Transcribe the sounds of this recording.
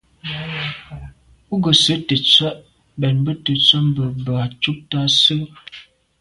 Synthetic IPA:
u˦ɡə˨sə˦tə˨t͡sə˦ʔ | bɛ˨nbə˦tə˨t͡sə˦m˦bə˨ba˨a˨t͡ʃu˦p̚ta˦sə˦

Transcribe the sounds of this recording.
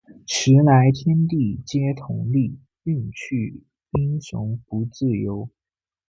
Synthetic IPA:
ʈ͡ʂʰɻ̩˧˥la˧˥ɪt̪ʰjɛ˥nt̪̬i˥˩t͡ɕjɛ˥t̪ʰʊ˧˥ŋli˥˩ | y˥˧nt͡ɕʰy˥˩ | i˥ŋɕʊ̰˧˥ŋpu˧˥t͡sɹ̩˥˩jo˧˥ʊ

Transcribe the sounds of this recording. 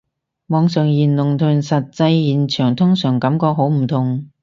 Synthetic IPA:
mɔː˨˧ŋsœː˨˩ŋjiː˨˩nlʊ˨˩ŋt̪ʰɵ˨˩nsɐ˨t̚t͡sɐ˧jjiː˨˩nt͡ʃʰœː˨˩ŋt̪ʰʊ˥ŋsœː˨˩ŋkɐ˨˥mkɔː˧k̚ɦo˨˥wm̩˨˩t̪ʰʊ˨˩ŋ

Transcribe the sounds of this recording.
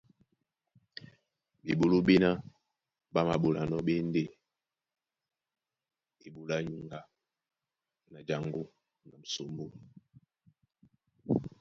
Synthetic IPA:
bi˨ɓu˨lu˦bi˦na˦ | ba˦ma˨ɓu˨la̰˨nɔ˦ɓi˦n˦de˦˨ | i˨bu˨la˦ɲu˨ŋɡa˨ | na˨d͡ʒa˨ŋɡu˦ | na˨m̩˨so˨mbu˦

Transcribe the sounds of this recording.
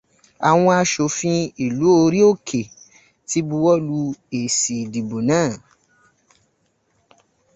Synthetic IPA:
a˨w̃ɔ̃˧a˧ʃo˨fĩ˧i˨lu˨˦o˧ɾi˦o˦˨kʰe˨ | ti˦bu˧wɔ˦lu˧e˨si˨di˨bo˨nãː˦˨

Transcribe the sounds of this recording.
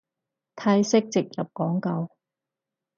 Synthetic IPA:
t̪ʰaː˧jsɪ˥k̚t͡sɪ˨k̚jlɐ˨˩p̚kɔː˨˥ŋkɐ˧w

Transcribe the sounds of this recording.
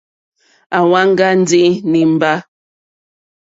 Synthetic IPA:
a˨wa˦ŋ̩˦ɡa˦n̩˦d͡zi˦ʔi˦ni˨m̩˦ba˦

